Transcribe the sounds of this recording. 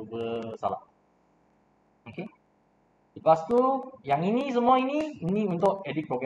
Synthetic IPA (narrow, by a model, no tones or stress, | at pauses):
ubəsa̰la̰ʔ | oke | dipast̪ujaŋinĩs̬əmũainiːnĩunt̪ʊʔɛdik̚pɾoɡa